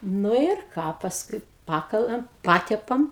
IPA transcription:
ˈnʊ ɪr ˈkɑː pɐsˈkʊɪ ˈpɑːkɐlˠɐm ˈpɑːtʲɛpɐm

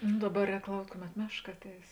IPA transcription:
nʊ ˈdɑːˌbɐ ˈrʲɛːk ˈlˠɐʊktʲ ˈkʊˌmʲɛt ˈmʲæːʃˌkɐ ˈɑːtʲˌɛɪs

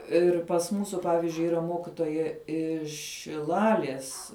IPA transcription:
ɪr pɐs ˈmuːsʊ ˈpɑːʋʲɪzʲd͡ʒʲʊɪ ˈiːrɐ ˈmoːkʲɪtoːjɛ ɪʃ ʃʲɪˈlˠɑːlʲiɛs

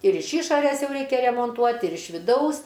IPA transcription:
ɪr ɪʃ ˈiːʃoːrʲɛs ˈjɛʊ ˈrʲɛɪkʲɛ rʲɛmoːnˈtuɔtʲ ɪr ɪʃ ʋʲɪˈdɐʊs

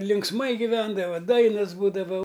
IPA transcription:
lʲɪŋksˈmɐɪ ɡʲɪˈʋʲɛndɐʋɐ ˈdɐɪnɐs ˈbuːdɐʋɐ

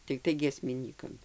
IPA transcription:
tʲɪkˈtɐɪ ɡʲiɛsʲmʲɪˈnʲiːkɐm

